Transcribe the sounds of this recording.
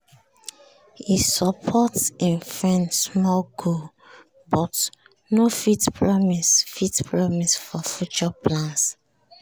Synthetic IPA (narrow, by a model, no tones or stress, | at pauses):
hisɔpʰɔtsĩnfɹɛ̃nsmɔlɡu | bɔt | nofitpʰɹɔmisfitpʰɹɔmisfɔfjut͡ʃɔpʰlãns